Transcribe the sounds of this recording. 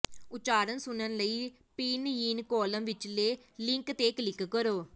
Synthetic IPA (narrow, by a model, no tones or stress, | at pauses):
ʊt͡ʃaːɾənsʊnənləiː | piːnjiːnkɔːləmʋɪt͡ʃleː | lɪ̃ŋkt̪eːklɪkkəɾoː